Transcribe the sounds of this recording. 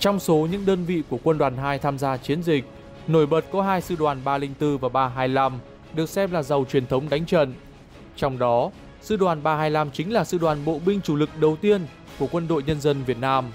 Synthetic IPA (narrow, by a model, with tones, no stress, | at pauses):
t͡ɕɔ˧wŋ͡mso˨˦ɲɨ̰˧˥ŋɗəː˧nvḭ˧˨ku˧˩əkwə˧nɗwaː˨˩nɦaː˧jt̪ʰaː˧mzaː˧t͡ɕi˨˦ənzï˨˩k̟̚ | no˧˩jɓə˨˩t̚kɔ˨˦ɦaː˧jsɨ̰˧ɗwaː˨˩nɓaː˧lï˧ŋ̟t̪ɨ˧vaː˨˩ɓaː˧ɦaː˧jla˧m | ɗɨ˨˩ək̚sɛ˧mlaː˨˩zə˨˩wt͡ɕwi˨˩ənt̪ʰə˨˦wŋ͡mɗa˨˦jŋ̟t͡ɕə̰˧˨n | t͡ɕɔ˧wŋ͡mɗɔ˨˦ | sɨ̰˧ɗwaː˨˩nɓaː˧ɦaː˧jla˧mt͡ɕï˨˦ŋ̟laː˨˩sɨ̰˧˨ɗwaː˨˩nɓo̰˧˨ɓï˧ŋ̟t͡ɕu˧˩lɨ˨˩k̚ɗə˨˩wt̪i˧ən | ku˧˩əkwə˧nɗo̰˧˨jɲə˧nzə˧nvi˨˩ət̚naː˧m